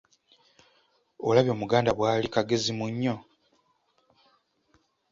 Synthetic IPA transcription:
olaβjo̞ːmuɡaːndaβwaːlikaɡe̞zimuɲːo̞

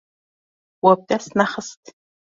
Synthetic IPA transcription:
wɐp̚tʼasnaχəstʰʼ

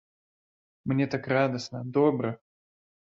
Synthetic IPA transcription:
mnʲet̪akɾad̪əsnəd̪obɾə

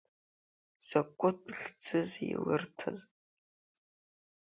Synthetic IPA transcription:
sʷɐkʷʼʊtʷʼɬt͡sʰɨzilɨrtʰɐ̰z

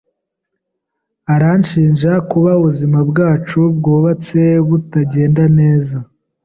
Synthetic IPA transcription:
aɾanʃiːnʒakuβauβuzimabɡaːt͡ʃubɡoːβat͡se̞βutaɟe̞ːndane̞ːza

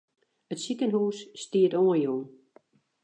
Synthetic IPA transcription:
ətsikənhuːsːtiːətoənjon

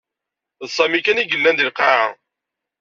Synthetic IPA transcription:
ðsˤɑmikæniɡəlːænd̪ilqaʕa

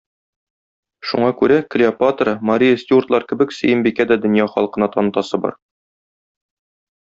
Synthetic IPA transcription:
ʃṵɴɑkʉɾæklʲɪapat̪ɾɤmɐɾʲijəsʲt̪ʲurt̪lˠɑɾkɘ̆bɘ̆ksɘ̆jɘmbikæd̪æd̪ɵ̆njɑχɒ̰lˠqɤ̆nɑt̪ɒnɤ̆t̪ɑsɤbɒ̰ɾ

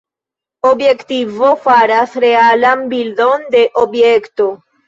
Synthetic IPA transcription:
obje̞ktivo̞faɾasɾe̞alanbildo̞nde̞ʔobje̞kto̞

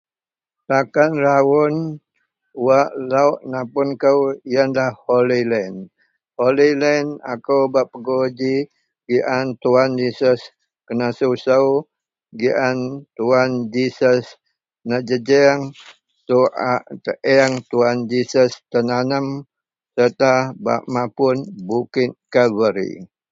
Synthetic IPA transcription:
sakanrawʊn | waʔlauʔnapʊnkəwijənlahholilɛn | holilɛna̰kəwbaʔpəɡod͡ʒi | ɡiʔant̪uand͡ʒisəs | kənasusəw | ɡiʔant̪uand͡ʒisəs | nəd͡ʒəd͡ʒɛŋ | suʔaʔt̪əʔɛŋt̪uand͡ʒisəst̪ənanəm | sət̪aba̰ʔmapʊnbukɪt̪̚kavəɾḭ

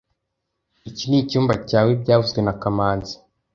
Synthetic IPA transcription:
icinicuːmbacaːweb̚ɟaːvuzɡwenakamaːnzḁ

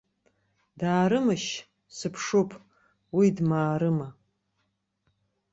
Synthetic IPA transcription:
daːɾɨmɨʃ | sɨpʰʂopʰʼ | widmaːɾɨmɐ

